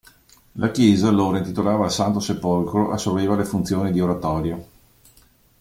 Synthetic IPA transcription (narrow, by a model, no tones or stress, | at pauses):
lʔakjɛːzaloːɾaint̪it̪olaːvaːlsant̪osepolkɾoʔasːoveːvalefunt̪sjoːnid̪ioɾat̪ɔːɾjo